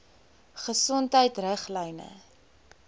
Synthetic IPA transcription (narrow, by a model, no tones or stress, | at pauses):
χəsɔntɦəjtrəχlɛjnə̰